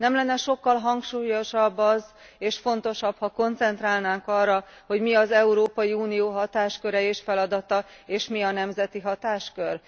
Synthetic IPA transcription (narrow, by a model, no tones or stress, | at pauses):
nɛmlɛnːɛʃo̞kːɒlɦɒŋkʃuːjoʃɒbːɒz | eːʃfo̞nt̪o̞ʃɒphɒko̞nt̪sɛnt̪raːlnaːŋkɒrːɒ | ho̞ɟmiɒzɛuɾoːpɒjiuːnijoːɦɒt̪aːʃkø̞ɾɛeːʃfɛlɒd̪ɒt̪ɒeːʃmiɒnɛmzɛt̪iɦɒt̪aːʃkø̞r